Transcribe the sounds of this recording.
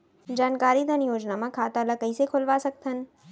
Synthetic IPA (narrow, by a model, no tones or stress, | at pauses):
d͡ʑaːnkaːɾid̪ʱɐnjoːd͡ʑnamãkʰaːt̪aːlakɐisekʰʊlʋasɐɡ̚t̪ʰənɪ̆